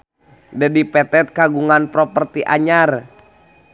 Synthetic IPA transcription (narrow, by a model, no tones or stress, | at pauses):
dɛdipɛt̪ɛt̪̚kaɡuŋanpɾɔpərt̪iʔa̰ɲar